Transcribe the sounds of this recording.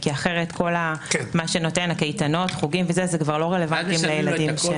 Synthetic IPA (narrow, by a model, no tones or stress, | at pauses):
kiaχe̞ʁetko̞lakmaʃeno̞tenakejtano̞tχuɡimvezɛzekvaʁlo̞ʁelevantimlejeladimʃe